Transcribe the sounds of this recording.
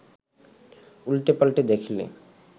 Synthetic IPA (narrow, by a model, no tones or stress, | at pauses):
ulʈepalʈed̪ekʰlḛ